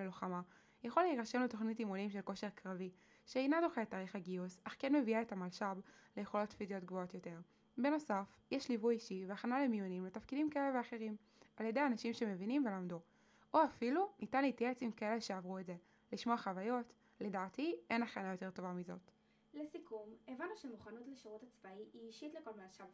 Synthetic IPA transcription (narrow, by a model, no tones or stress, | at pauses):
eloχama | jaχoleiʁaʃe̞mleto̞χnitimonimʃe̞lko̞ʃe̞ʁkʁavi | ʃeinadoχeetːaːʁiχaɡiusaχkenme̞viaetamalʃablejeχo̞lo̞tfizio̞tɡvoo̞tjo̞te̞ʁ | be̞no̞saf | jeʃlivujiʃiveaχanalemijonimletafkidimkaeleveaχe̞ʁim | aljede̞janaʃimʃe̞me̞vinimve̞lamdu | ʔoafilunʔitanlitjaet͡simkae̞le̞ʃeavʁuetze̞ | liʃmo̞aχavajo̞t | le̞daːtiʔe̞naχanajo̞te̞ʁto̞vamizo̞t | lesikumevanːuʃemuχanutleʃaʁutat͡sbaiʔiːʃitleko̞lmalʃab